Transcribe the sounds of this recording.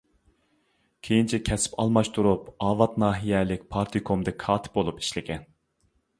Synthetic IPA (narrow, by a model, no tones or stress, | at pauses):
kʲʰejint͡ʃʰɛkʲʰɛsɪ̥pɑ̰lˠmɑʃt̪ʰuɾupɑːvɑt̪nɑːɦijɛlɪk̚ʲpʰɑɾt̪ʰikʰomd̪ɛk̚ʲkʰɑːt̪ʰɪ̥p̚bolˠupi̥ʃlɪɡʲʰɛn